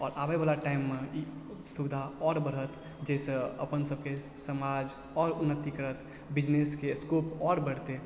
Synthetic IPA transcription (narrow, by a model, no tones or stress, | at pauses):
ɔ̰ːɾʔabebalaʈaɪmːẽ | sud̪ʱaɔːɾbəɾət̪ | d͡ʒɛːsəə̰pənsəb̚kesəmad͡ʒ | ɔːɾʊnːət̪ːikəɾət̪ | bɪd͡ʒneskeskopɔːɾbəɽ̤t̪e